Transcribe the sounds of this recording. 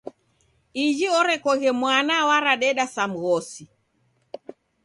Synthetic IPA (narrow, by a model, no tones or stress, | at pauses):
id͡ʒiɔɾɛkɔɣɛmwanawaɾaɗɛɗasam̩ɣɔsi